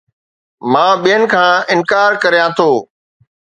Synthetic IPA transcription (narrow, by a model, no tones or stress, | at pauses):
mãːɓijənɪ̆kʰãːɪ̃nkaːɾkɐɾijãt̪ʰoː